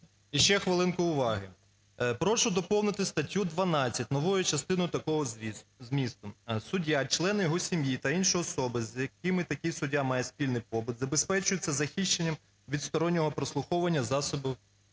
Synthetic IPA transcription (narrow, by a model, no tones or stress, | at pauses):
iʃt͡ʃɛxʋɪlˠɪnkʊʊʋɑɦɪ | pɾɔʃʊd̪ɔpɔwnɪt̪ɪst̪ɐtʲːud̪ʋɐnɑt͡sʲːɐtʲnɔʋujʊt͡ʃɐst̪ɪnɔjʊt̪ɐkɔɦɔzmʲist̪ʊsʊdʲːat͡ʃlˠɛnɪjɔɦɔsʲimjit̪ɐinʃɔjɔsɔbɪzjɐk̚ɪmɪt̪ɐkʲisʊdʲamɑjɛspʲilʲnɪjpɔbʊt̪zɐbespɛt͡ʃʊjʊt͡sʲːɐzɐxʲiʃt͡ʃenʲːɐm | ʋʲid̪st̪ɔɾɔnʲːɔɦɔpɾɔslˠʊxɔwʋɐnʲːɐzɑsɔbɪ